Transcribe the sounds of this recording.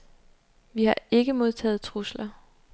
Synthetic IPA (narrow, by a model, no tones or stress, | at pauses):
ʋihɑ̈e̝ɡ̥əmo̝ð̞ˠt͡sʰɛ̰ːð̩ˠt͡sʰʁuslɐ